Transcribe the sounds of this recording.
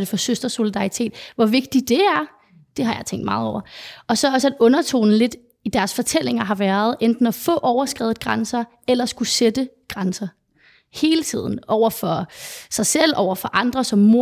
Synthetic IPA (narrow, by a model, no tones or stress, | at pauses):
d̥efɒ̽søsd̥ɐso̝lid̥ɑ̈it͡sʰe̝̰ːd̥ʋɒʋe̝ɡ̥̚d̥id̥e̝æɐ | d̥e̝ɦɑ̈jɑ̈ɪt͡sʰeŋ̰ɡd̥mɑ̈ːð̩ˠɒ̰ʊ̰ɐɒ̽sɒ̽ɒ̽sæd̥ɔ̽nɐt͡sʰo̝̰ːnn̩le̝d̥ | id̥æɐsfɒ̽t͡sʰel̰e̝ŋɐɦɑ̈ʋæɐð̞̩ˠend̥n̩ɒfɔ̽ʔɒʊɐsɡ̥ʁɛ̰ːð̩ˠɡ̥ʁansɐ | elɐsɡ̥used̥ə | ɡ̥ʁansɐ | he̝ːlət͡sʰið̞̰ˠn̩ʔɒʊ̰ɐfɒ̽sɑ̈ɪsel̰ɒʊ̰ɐfɒ̽ʔɑ̈nd̥ʁɐsɒ̽mːo